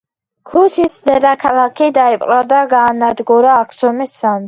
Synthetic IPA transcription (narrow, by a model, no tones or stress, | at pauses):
kʰusʰisd̪ɛd̪akʰalˠakʰid̪aipʼqʼɾad̪aɡaːnad̪ɡuɾaːkʰsɔmisːam